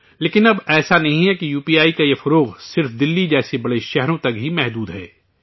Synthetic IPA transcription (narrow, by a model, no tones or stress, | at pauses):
leːkɪnɐbɛːsanɐɦĩɦɛkijuːpiːaːikajefɐɾoːɣsɪɾfd̪ɪlːid͡ʒɛːsebɐɽeʃɛɦɾõt̪ɐk̚bʱimɛɦd̪uːd̪ɦɛ̰ː